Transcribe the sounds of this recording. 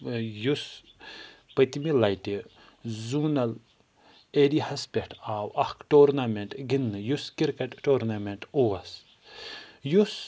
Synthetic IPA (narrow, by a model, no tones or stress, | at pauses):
jus | pɐt̪milɐjti | zuːnɐl | eɾihɐspʲekʰʈaːwɐhkʈoːɾnameɳʈɡinːɨjuskiɾkɐʈːoːɾnameɳʈuwɐs | jus